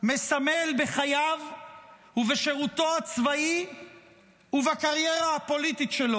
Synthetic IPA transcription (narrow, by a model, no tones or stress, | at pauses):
mesamelbe̞χajav | uveʃe̞ʁut̪o̞at͡svai | uvakaʁje̞ʁahapo̞lit̪itʃe̞lo